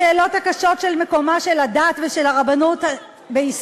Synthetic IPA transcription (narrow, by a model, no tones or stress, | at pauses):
eːlo̞thakaʃo̞tʃe̞lmeko̞maʃeladaːtveʃe̞laʁabanot | beis